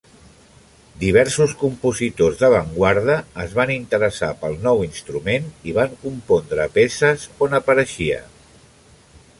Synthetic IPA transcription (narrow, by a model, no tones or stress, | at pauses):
d̪iβ̞ɛɾsuskumpuzit̪ozðəβ̞əŋɡwaɾðəːzβanint̪əɾəsa̰pəlˠnɔwinst̪ɾumeniβ̞aŋkumpond̪ɾəpesəzonəpəɾəʃiə̰